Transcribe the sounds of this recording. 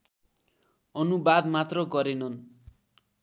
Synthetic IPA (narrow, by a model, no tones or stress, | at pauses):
ʌnubad̪mat̪rʌɡʌɾenʌn